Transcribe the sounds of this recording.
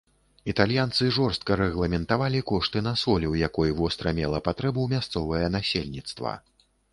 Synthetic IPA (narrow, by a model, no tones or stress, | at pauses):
it̪alʲjant̪sɨʐɔrst̪̚kɐɾɛɣlˠɐmʲɛnt̪avalʲikɔʂt̪ɨnasɔlʲiwjakɔjvɔst̪ɾɐmʲɛlˠɐpat̪ɾɛbumʲast̪sɔvɐjɐnasʲelʲnʲit̪st̪vɐ̰